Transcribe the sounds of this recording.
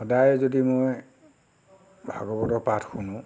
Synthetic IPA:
xɔdajzodimoj | bʱa̰ɡɔbɔtɔpatʰxunʊ̃

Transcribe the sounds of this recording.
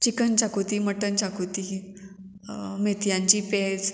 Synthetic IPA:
t͡ɕikənt͡ɕakut̪iːməʈənt͡ɕakut̪i | met̪jãɲt͡ɕiːped͡z

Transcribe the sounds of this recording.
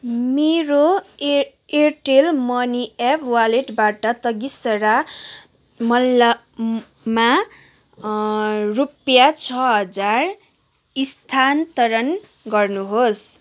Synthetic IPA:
meɾo | erʈelmʌniepʰwaleʈbaʈʌt̪ʌɡisʌɾa | mʌlːa | ma | rupjat͡sʰʌɦʌd͡zar | ist̪ʰant̪ʌɾʌn | ɡʌrnuɦos

